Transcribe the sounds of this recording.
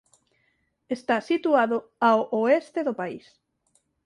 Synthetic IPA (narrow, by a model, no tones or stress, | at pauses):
est̪asit̪uaðʊaoʔoest̪eðopais